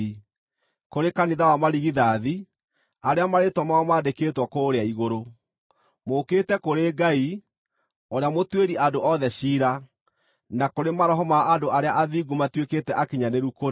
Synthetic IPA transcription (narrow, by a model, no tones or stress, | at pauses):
i | koɾekaniðawamaɾiɣiðaði | aɾeamaɾetwɔmaɔmaːdekeːtwɔkoːɾeaiɣoɾo | mokeːtɛkoɾeɡai | oɾeamotweɾiadoʔɔðɛɕiːɾa | nakoɾemaɾɔɦɔmaʔadoʔaɾeaʔaðiɡumatweketɛʔakeɲaneɾuko